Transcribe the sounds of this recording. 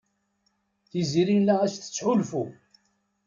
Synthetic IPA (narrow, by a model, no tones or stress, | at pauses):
θiziɾilææsθə̥t͡sːħulfu